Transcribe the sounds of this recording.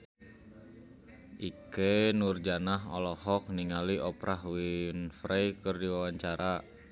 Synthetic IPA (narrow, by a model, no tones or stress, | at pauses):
ʔikenurd͡ʒanaɦɔ̰lɔhɔk̚niŋaliʔɔpɾaɦwinfɾejkɨrdiwawaɲt͡ʃaɾa